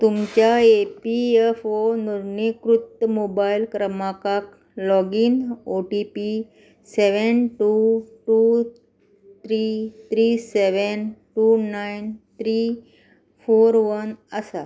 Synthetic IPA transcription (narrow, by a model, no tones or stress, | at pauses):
t̪umt͡ɕaepiefonuɾɳekɾut̪ːəmobailkɾəmakak | lɔɡiːnoʈipi | seʋənʈuʈu | t̪ʰɾit̪ʰɾiseʋənʈunaint̪ʰɾi | foɾʋənəsa